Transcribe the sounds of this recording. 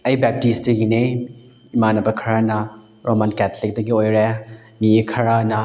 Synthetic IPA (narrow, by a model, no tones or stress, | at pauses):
ɐjbɛp̚tisdɐɡine | imanɐbɐkʰɐɾanɐ | ɾomankɛtʰlik̚dɐɡiojɾe | mikʰɐɾanɐ